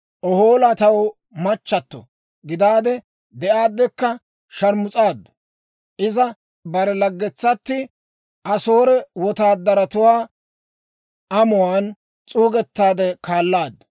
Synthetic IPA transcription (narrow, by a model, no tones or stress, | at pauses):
ʔɔho̞ːlat̪ɐw | mɐt͡ʃːɐt̪ːɔ̰ | ɡɪd̪aːd̪ɛ | d̪ɛʔaːd̪ːɛkːɐ | ʃɐɾmʊt͡sʼaːd̪ːɐ̥ | ʔɪzɐ | bɐɾɛlɐɡːɛt͡sːɐt̪ːɪ | ʔɐsoːɾɛwɔt̪aːd̪ːɐɾɐt̪ʊwaː | ɐmʊwaːn | t͡sʼuːɡɛt̪ːaːd̪ɛkaːlːaːd̪ːɐ